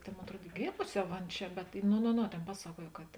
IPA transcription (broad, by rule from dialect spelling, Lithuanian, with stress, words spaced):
tʲeːn ˈmoːn ɐtˈruɔt ɪ ˈɡʲeːmʊsʲɪ ˈjɛʊ ˈɐn ˈt͡ʃʲɛ bʲɛt noː noː ˈnoː ˈtʲeːn ˈpɑːsɐˌkuɔj kɐt